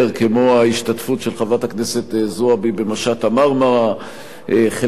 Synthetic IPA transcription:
ʁkemo̞aiʃtatfutʃelχavataknese̞t̪zoabibemaʃatamaʁmaʁa | ʔeχe

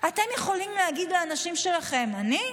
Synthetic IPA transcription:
at̪e̞mjeχo̞limleaɡid̪leanaʃimʃe̞laχe̞mani

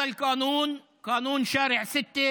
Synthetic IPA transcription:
ɐlkaːnuːn | kaːnuːnʃaːɾeʕsɪt̪ːe

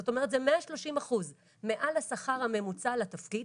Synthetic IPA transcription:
ot̪o̞meʁet̪zemeaʃlo̞ʃimaχuz | me̞ʔalasaχaʁhame̞mut͡salat̪afkid

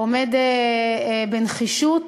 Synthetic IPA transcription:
omed̪ | benχiʃut̪

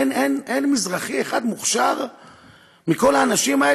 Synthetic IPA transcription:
nenʔenmizʁaχieχad̪muχʃaʁ | miko̞laːnaʃimae

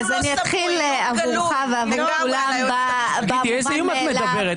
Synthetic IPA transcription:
zaniat̪χil | avuʁχaveavuʁaulamba | baiezejumattmedabeʁe

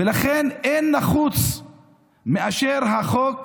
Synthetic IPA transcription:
elaχenenːaχut͡s | meaʃeʁɦaχok

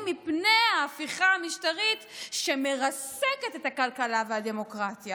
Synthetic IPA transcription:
mipnejaːfiχaamiʃtaʁitʃe̞me̞ʁaseke̞tet̪akalkalaveɦade̞mo̞kʁatja

